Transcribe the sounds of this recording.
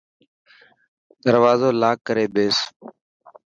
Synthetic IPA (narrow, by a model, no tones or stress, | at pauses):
d̪əɾʋaːzoːlaːkːəɾeːbeːs